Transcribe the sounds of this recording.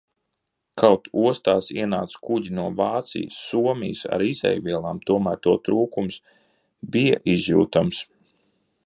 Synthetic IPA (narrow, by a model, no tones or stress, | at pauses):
kʰawt̪uɔst̪aːsiɛnaːt̪skuɟinuɔvaːt̪sḭjsːuɔmʲijsa̰ɾizɛ̰jvʲiɛlˠaːmt̪uɔmæːɾt̪uɔt̪ɾuːkums | bija̰ʔizjṵːt̪ams